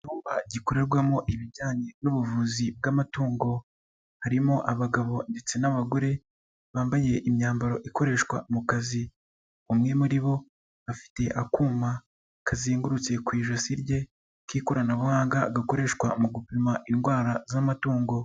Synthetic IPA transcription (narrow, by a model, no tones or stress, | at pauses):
ituːmbaɟiko̞ɾe̞ɾɡwamo̞ʔiβiɟaːɲe̞nuβuvuzib̚ɡamatuːŋɡo̞ | haɾimo̞ʔaβaɡaβo̞nde̞t͡se̞naβaɡoɾe̞ | βaːmbaje̞ʔimɲaːmbaɾo̞ʔiko̞ɾe̞ːʃkwa̰mukazi | umŋe̞muɾiβo̞ | afi̥te̞ʔakuːma | kaziːŋɡuɾut͡se̞kwiːʒosiɾɟe̞ | kiːkoɾanaβuhaːŋɡaɡako̞ɾe̞ʃkwamuɡupimaʔinɡwaːɾazamatuːŋɡo̞